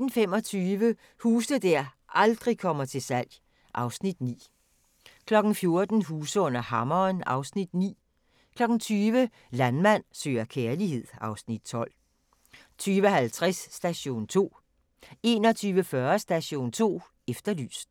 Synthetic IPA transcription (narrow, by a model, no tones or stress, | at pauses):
n̩fem̰ɒ̽t͡sʰyːʋə | huːsəd̥æɐ̰ | ʔɑ̈ld̥ʁikʰɒ̽mɐt͡sʰe̝sæl̰j | ʔɑ̈ʊsnid̥nḭː | kʰlɒ̽ɡ̥n̩fjo̝ɐd̥n̩ɦuːsəɔ̽n̰ɐhɑ̈mɐːnɑ̈ʊsnid̥nḭː | kʰlɒ̽ɡ̥n̩t͡sʰyːʋə | lænmæn̰sø̰ːɐkʰeːɐlihe̝ð̰ˠɑ̈ʊsnid̥̚t͡sʰɒ̽l̰ | t͡sʰyːʋəhælt͡sʰʁasːd̥æɕo̝̰ːnt͡sʰo̝̰ː | e̝ːnɒ̽t͡sʰyːʋəfɶɐsd̥æɕo̝̰ːnt͡sʰo̝̰ː | efd̥ɐly̰ːsd̥